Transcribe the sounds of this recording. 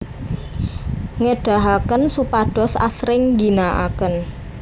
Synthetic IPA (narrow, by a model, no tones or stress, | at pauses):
ŋəɖ̥a̤ɦakənsupaɖ̥ɔ̤sa̰sɾɪŋɡinaʔa̰kən